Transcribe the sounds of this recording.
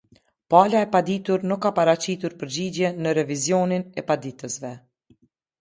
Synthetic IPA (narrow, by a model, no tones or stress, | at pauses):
palaɛpad̪it̪uɾnukːapaɾat͡ɕit̪uɾpəɾd͡ʑid͡ʑjɛnəɾɛvizjɔninɛpad̪it̪əsvɛ